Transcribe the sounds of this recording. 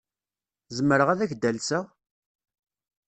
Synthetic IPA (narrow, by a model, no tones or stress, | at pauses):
zəməɾəʁæðæçd̪ælsæ